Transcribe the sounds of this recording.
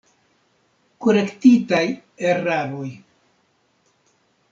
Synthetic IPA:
koɾe̞ktitajeɾaɾoj

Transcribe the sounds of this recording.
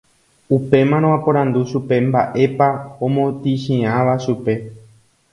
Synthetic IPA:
upe̞mãɾ̃õapõɾ̃ãnd̪uʃupe̞mbaʔe̞paõmõt̪iʃĩãʋaʃupe̞

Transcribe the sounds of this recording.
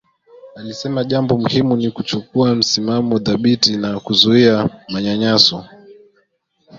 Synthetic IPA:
alisɛmaʄambɔmuhimunikut͡ʃukuam̩simamɔðaɓitinakuzuiamaɲaɲasɔ

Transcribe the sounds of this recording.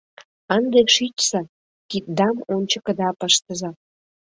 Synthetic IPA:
ənd̪eʃit͡ɕsɑ | kit̪̚d̪ɑmonʲt͡ɕə̆kə̆d̪ɑpəʃt̪əzɑ

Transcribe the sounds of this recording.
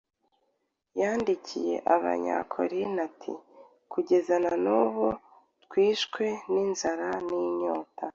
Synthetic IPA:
jaːndicʰije̞̰ʔaβa̰ɲa̰kʰo̰ɾinatʰḭ | kuɟe̞zananuβu | tkwiːʃkwe̞ninzaɾaniɲoːta

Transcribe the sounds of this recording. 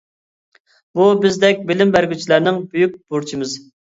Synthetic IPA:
bubɪzd̪ɛk̚ʲbɪlɪmbæɾɡʲyt͡ʃʰilæɾnɪŋbyjyk̚ʲb̥uɾt͡ʃʰimɪz

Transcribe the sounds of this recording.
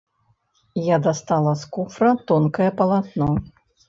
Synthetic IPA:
jad̪ast̪alˠɐskufɾɐt̪ɔnkɐjɛpɐlˠat̪nɔ

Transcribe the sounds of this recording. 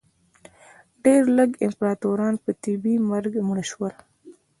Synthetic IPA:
ɖeɾləɡɪmpɾɑt̪oɾɑːnpət̪ibimaɾɡmuɽaʃwəl

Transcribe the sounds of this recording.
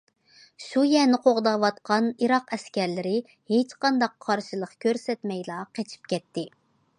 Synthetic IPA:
ʃujɛnɪqʰoʁd̪ɑwɑt̪qʰɑniɾɑqɛskʲɛɾlɪɾɪ | het͡ʃqɑnd̪ɑqʰːɑɾʃɨlˠəqkʲøɾsɛt̪mɛjlˠɑːqʰet͡ʃʰi̥pkʲɛt̪ʰːɪ

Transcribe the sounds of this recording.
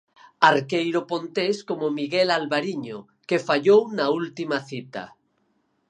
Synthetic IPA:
aɾkejɾopont̪eskomomiɣelalβaɾiɲo | kefaʎownault̪imaθit̪a̰

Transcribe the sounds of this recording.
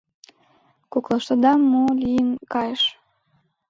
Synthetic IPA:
koklˠɤ̆ʃt̪ɤ̆d̪ɑmːolʲijənkɑjəʃ

